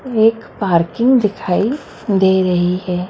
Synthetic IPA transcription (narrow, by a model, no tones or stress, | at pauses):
eːkpaːɾkɪ̃ŋɡd̪ɪkʰaːi | d̪eːɾɐɦihɛː